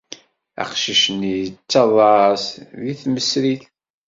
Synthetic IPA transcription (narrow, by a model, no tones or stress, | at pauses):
æ̰qʃiʃənit͡sːɑðˤɑsðiθməsɾiθ